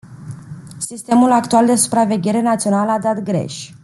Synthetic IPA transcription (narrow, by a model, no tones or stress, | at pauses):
sist̪e̞mulakt̪uald̪e̞su̥pɾave̞ɡʲe̞ɾe̞nat̪sio̞nalad̪at̪ɡɾe̞̰ʃʲ